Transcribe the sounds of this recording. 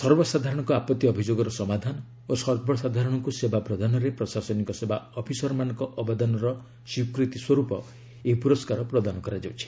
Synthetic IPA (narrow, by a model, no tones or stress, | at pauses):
sɔɾbɔsad̪ʱaɾɔɽ̃ɔŋkɔapɔt̪ːiɔbʱid͡ʒoɡɔɾɔsɔmad̪ʱanɔ | osɔɾbʱɔsad̪ʱaɾɔɽ̃ɔŋkusebapɾɔd̪ʱanɔɾepɾɔsasɔnikɔsebaɔpʰisɔɾɔmanɔŋkɔʔɔbad̪anɔɾɔ | sikɾit̪iswɔɾupɔ | epuɾɔskaɾɔpɾɔd̪anɔkɔɾad͡ʒawt͡ʃʰi̥